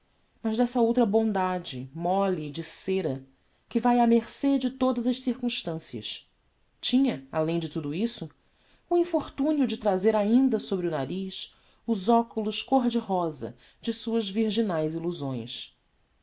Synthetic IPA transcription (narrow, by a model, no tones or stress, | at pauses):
mɐzd̪ɛsɐowt̪ɾɐbõnd̪ad͡ʒɪmɔlid͡ʒɪseɾɐ | kɪvajameχsed͡ʒɪt̪od̪ɐzɐʃsiɾkũʃt̪ɐ̃siɐ̰ʃ | t͡ʃĩɲɐalẽj̃d͡ʒɪt̪ud̪ʊisʊ | uĩfoɾt̪ũniʊd͡ʒɪt̪ɾazeɾaĩnd̪ɐsobɾiʊnaɾiʃ | ʊzɔkulʊʃkoɾd͡ʒɪɦɔzɐ̰ | d͡ʒɪsuɐzviɾʒinajziluzõj̃s